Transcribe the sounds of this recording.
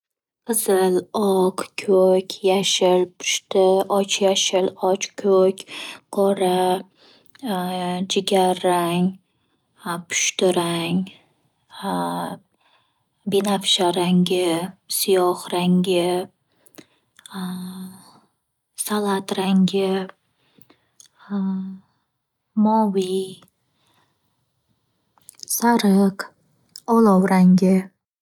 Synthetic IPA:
qʰɨzɪlɒqkʲʰɵkʲjaʃɪlpʰʊ̥ʃt̪ɪɒt͡ʃʰjaʃɪlɒt͡ʃkʲʰɵkʲqʰɒɾa | d͡ʒɪɡʲaɾːaŋ | pʰʊ̥ʃt̪ɪɾaŋ | binafʃaɾaŋɡʲɪsijɒχɾaŋɡʲɪ | salˠat̪ɾaŋɡʲɪ | mɒwij | saɾɪq | ɒlˠawɾaŋɡʲɪ

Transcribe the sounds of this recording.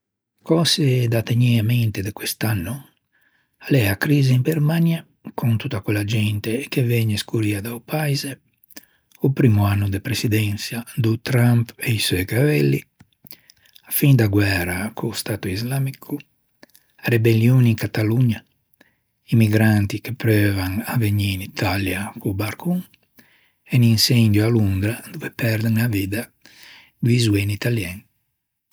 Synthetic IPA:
kɔsed̪at̪ːeɲɛament̪ed̪ekwest̪anːu | alɛakɾiːziimbɛɾmanja | kʰunt̪ut̪ːakwɛlːad͡ʒɛnt̪ek̟evɛɲːeskuɾiad̪aupaizɛ | upɾiːmuanːud̪epɾesid̪ɛnsjad̪ut̪ɾampeisɔjkavɛlːḭ | afind̪aɡwɛɾakʰust̪at̪uizlamikʰu | arebeljoniŋkat̪aluɲa | imiɡɾant̪ikepɾøvaŋaveɲiːnit̪ʰaljakubaɾkuŋ | eninsɛnd̪joalund̪ɾad̪uvepɛɾd̪ɛŋaviːd̪a | ɡ̪izuenit̪aljɛn

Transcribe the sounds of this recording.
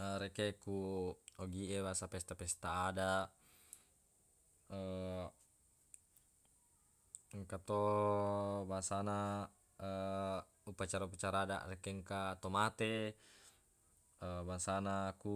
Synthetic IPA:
əɾekekuoɡiebasapɛst̪apɛst̪aːda | ə | ŋkat̪o | baŋsana | ə | upat͡ʃaɾaupat͡ʃaɾaːda̰ʔrekeŋkat̪omat̪e | əbaŋsanaku

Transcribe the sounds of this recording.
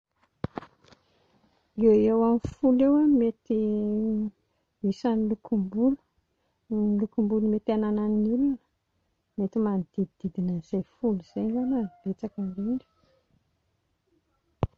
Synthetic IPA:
eewamifulewamet̪i | misanilukumbulu̥ | lukumbulumet̪ananannilinə̥ | met̪imanid̪̥id̪id̪̥id̪inəz̥ejfuluz̥eɲzanəb̥et͡sakanleinɖ͡ʐi̥

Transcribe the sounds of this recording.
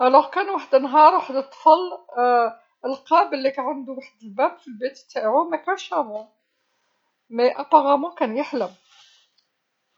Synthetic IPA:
ælæhkænwaħəd̪ənːɦɑɾˤwaħəd̪ət̪ˤːfəl | əlqæbəlːikæʕand̪uwaħd̪əlbæbfilbit̪bt̪ːaʕumækænʃæmu | mæjʔɑqɑɣæmukænjəħləm

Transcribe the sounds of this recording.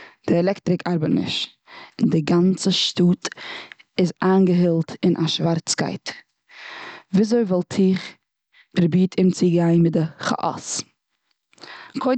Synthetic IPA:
d̥ɪɛlˠɛktɾɪkʰaɾbətnɪ̰ʃ | ndɪɡant͡səʃtuːt | ɪzaːnɡəɦɪlˠtɪnʔaʃvaɾt͡ska̰ɪt | viːzoɪvɔlˠtʰɪχ | pəɾbiːtʰɪmt͡siɡaɪnmɪt̚dɪχa̰ʔɔ̰s | kʰoɪ

